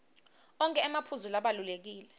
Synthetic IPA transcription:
ɔŋkʼɛːmapʰuzulaɓalulek̬iːlɛ

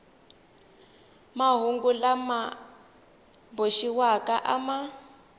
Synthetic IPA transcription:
maɦuŋɡulama | boʃiwakaʔama

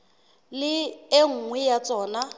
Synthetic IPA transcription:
lɪeŋ̩ːŋwɛjat͡sʼɔːna

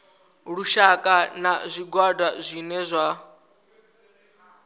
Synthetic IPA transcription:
ɺuʃakʼanazʷiɡwadwazʷinɛzʷa

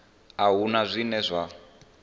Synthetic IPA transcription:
aɦunazʷinɛzʷa

